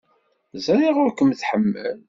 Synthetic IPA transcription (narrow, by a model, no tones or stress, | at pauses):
zæɾiʁʊɾkəmθħəmːə̰l